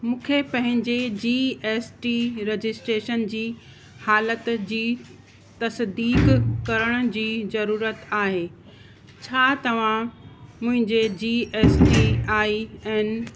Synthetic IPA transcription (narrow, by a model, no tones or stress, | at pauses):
mũːkʰepɐ̃ɦɪ̃ɲd͡ʑed͡ʑiːeːsʈiɾed͡ʑɪsʈɾeːʃənd͡ʑiː | haːlət̪d͡ʑiː | t̪ɐsd̪iːkkɐɾəɽ̃ʊ̆d͡ʑiːzɐɾuːɾət̪aːɦeː | t͡ɕʰaːt̪ɐʋ̤ãmʊ̃ɦɪ̃ɲd͡ʑed͡ʑiːeːsʈiaːiɛːnɪ̆